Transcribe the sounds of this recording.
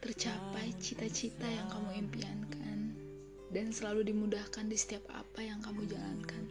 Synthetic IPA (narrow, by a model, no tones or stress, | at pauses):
t̪ərt͡ʃapajt͡ʃit̪at͡ʃit̪ajaŋkamuɛmpiankʰan | dansəlaludimudahkandisə̥t̪iapa̰pajaŋkamud͡ʒalankan